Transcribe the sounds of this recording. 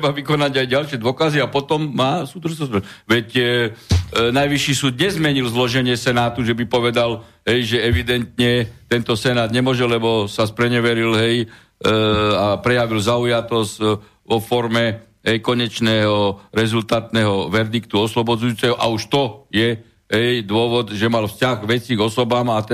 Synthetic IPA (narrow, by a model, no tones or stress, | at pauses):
t̪ɾɛbaʋikɔnaɟajɟalʃɪɛd̪ʊɔkaziapɔt̪ɔmːaːsuːd̪r̩ʒnɔsɛʋɛc | najʋiʃːiːsuːd̪ɲɛzmɛɲilzlɔʒɛɲɪɛsɛnaːt̪uʒɛbipɔʋɛd̪al | ɦɛjʒɛɛʋid̪ɛnt̪ɲɛt̪ɛnt̪ɔsɛnaːd̪ɲɛmʊɔʒɛlːɛbɔsaspɾɛɲɛʋɛɾilɦɛj | apɾɛjaʋilzaujat̪ɔsc | ʋɔfɔɾmɛ | ɦɛjkɔɲɛt͡ʃnɛːɦɔɾɛzult̪aːt̪nɛːɦɔʋɛɾd̪ikt̪uɔslɔbɔd͡zujuːt͡sɛɦɔʔa̰uʃt̪ɔjɛ | ɦɛjd̪ʊɔʋɔd̪ʒɛmalfscaɣɡʋɛt͡siɡɔsɔbaːma